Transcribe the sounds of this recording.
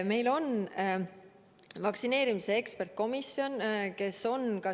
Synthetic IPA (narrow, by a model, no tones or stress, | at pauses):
me̞jlo̞n | vɑksine̞ːɾimise̞ekspe̞rt̪̚ko̞misjo̞nke̞so̞nkɑ